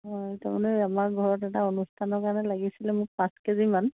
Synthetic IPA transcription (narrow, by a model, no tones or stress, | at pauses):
ɦɔjtamanɛamaɹɡʱɔɹɔtɛtaonustʰanɔkaɹnɛlaɡisilɛmʊɹpaskeziman